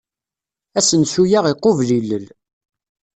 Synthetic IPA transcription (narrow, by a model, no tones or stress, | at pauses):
æsənsujaʁiqːovliləl